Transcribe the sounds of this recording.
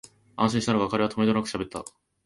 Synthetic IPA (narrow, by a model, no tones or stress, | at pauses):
ãɕĩɕit̪anoɡakaɾe̞at̪o̞med̪onakɯ̟̥ɕabet̪ːa̰